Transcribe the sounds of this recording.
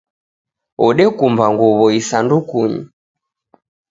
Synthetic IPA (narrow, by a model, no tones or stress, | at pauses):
ɔɗɛkumbaŋɡuβɔisandukuɲḭ